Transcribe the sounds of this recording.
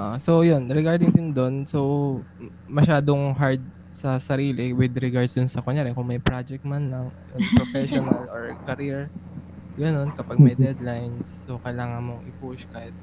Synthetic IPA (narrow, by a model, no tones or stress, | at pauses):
ʔsowjonɾɛɡaɹd̪ɪŋd̪ɪnd̪o̞nso̞ | mɐʃaːd̪oŋɦaɹd̪̚ | sɐsɐɾiːlɪwɪd̪ɾɛɡaɹd̪sd̪ʊnsɐkoɲaɾɛnkʊŋmɐjpɾad͡ʒɛk̚t̪̚manlɐŋjʊŋpɾofɛʃonɐloɹkɐɾiɹ | ɡɐno̞nkɐpaɡ̚mɐjd̪ɛd̪lajnsːokɐjlaːŋɐnmoŋɪpuʃkahɪt̪̚